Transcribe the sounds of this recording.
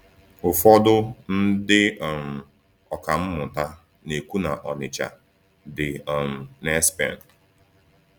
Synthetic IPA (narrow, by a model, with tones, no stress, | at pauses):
ʊ˨fɔ˦dʊ˦n̩˦dɪ˦ɔ˨m̩˨ | ɔ˨ka˨m̩˦mʊ˨ta˦ | ne˨kʷu˦na˨ʔɔ˨nɪ˨t͡ʃa̰˨ | dɪ˨ɔ˨m̩˨nɛ˦spɛ̰˦˨n˨t